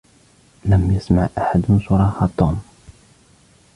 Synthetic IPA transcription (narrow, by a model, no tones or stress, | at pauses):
læmjəsmaʕʔaħad̪mɪnsʊɾˤɑːħɑt̪ˤːum